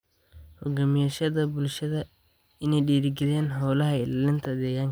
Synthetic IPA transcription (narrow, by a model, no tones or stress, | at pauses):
hɔɡamɪjaːʃɐðɐbʊlʃɐðɐ | ɪnɛjɗiːɾɪɡɪðɛːnɦɔːlɐɦɐɪlaːlɪnt̪ʰɐd̪ɛːjaːŋ